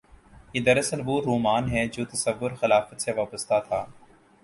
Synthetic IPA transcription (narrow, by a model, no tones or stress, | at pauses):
jeːd̪ɐɾɐsəlboːɾːoːmaːnɦɛːd͡ʒoːt̪ɐsəʋːʊɾxɪlaːfət̪seʋaːpəst̪at̪ʰaː